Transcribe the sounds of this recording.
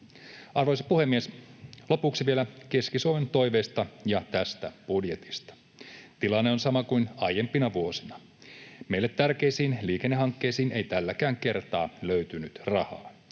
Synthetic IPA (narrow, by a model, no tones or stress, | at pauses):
ʔɑrʋojsipuhe̞mːieslo̞puksiʋielæke̞skisuoʋent̪o̞jʋe̞ːst̪ɑjɑt̪æst̪æb̥udjet̪i̥st̪ɑ̥ | t̪ilɑnːeonsɑmɑkujnɑjempinɑʋuo̞sinɑ | me̞ilːet̪ːærkejsiːnliːkenːeɦɑŋkːe̞ːsiːne̞jt̪ælːækæːŋke̞rt̪ɑːløyt̪ynyt̪rɑhɑ̰ː